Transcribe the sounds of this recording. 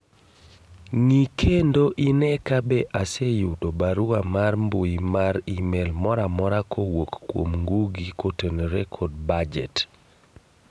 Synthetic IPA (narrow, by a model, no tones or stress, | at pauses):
ŋikʰendoʔinɛkabɛʔasɛjutobaɾuamarmbojimaɾimɛlmɔɾamɔɾakʰowokkːwo̰mŋɡuɡikotenɾɛkʰɔd̚bad͡ʒɛ̰t